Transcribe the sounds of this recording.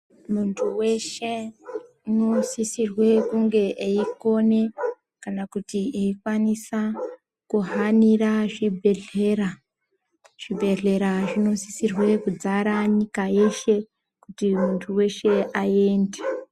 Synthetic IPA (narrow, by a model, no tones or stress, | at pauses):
muntʰuwe̞ʃe̞ | ino̞sisirwe̞kuŋɡe̞ʔeiko̞ne̞ | kanakutieikwanisa | kuɦaniraʐibʱe̞ɮe̞ra | ʐ̥ibʱe̞ɮe̞ɾaʐino̞sisirwe̞kud͡zaɾaɲikaje̞ʃe̞ | kutimuntʰuwe̞ʃe̞ae̞ːnde